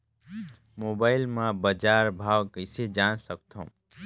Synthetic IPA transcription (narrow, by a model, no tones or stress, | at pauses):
mobaɪlmãbəd͡ʒaɾbʱawkəɪsed͡ʒansək̚t̪ʰõ̰